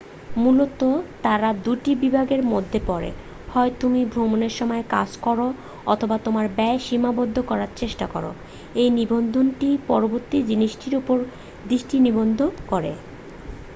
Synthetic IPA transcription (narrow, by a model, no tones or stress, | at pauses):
mulot̪ot̪aɾad̪uʈibibʱaɡeɾmod̪ʱːepɔɾḛ | hɔet̪umibʱɾomoneɾʃɔmɔeka̰d͡ʑkɔɾo | ɔ̰t̪ʰobat̪omaɾbɛeʃimabod̪ʱːokɔɾaɾt͡ɕeʃʈakɔ̰ɾo̰ | ejnibond̪ʱonʈipɔɾoboɾt̪id͡ʑiniʃʈiɾupoɾ | d̪ɾiʃʈinibond̪ʱokoɾḛ